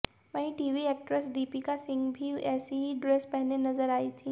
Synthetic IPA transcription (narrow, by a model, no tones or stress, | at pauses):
məɦiʈiːʋiek̚ʈɾəsɖiːpikasɪ̃ŋɡbʱiɛːsiɦiɖɾespɛɦnenɐzəɾaːiːt̪ʰiː